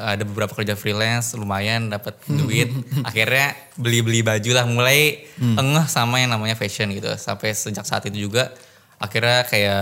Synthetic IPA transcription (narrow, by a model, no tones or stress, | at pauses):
adabəbəɾapakərd͡ʒafɾilɛnslumajandapət̪̚d͡ʒuɪt̪̚a̰xirɲa | bəlibəlibad͡ʒulahmulajəŋəhsamajaŋnamaɲafeʃənɡit̪ṵsa̰mpajsəd͡ʒak̚saa̰t̪it̪ud͡ʒuɡa | axirɲakaja